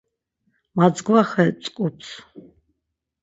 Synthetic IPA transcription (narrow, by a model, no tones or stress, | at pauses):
mad͡zɡvaχɛt͡sʼkʼutsʰ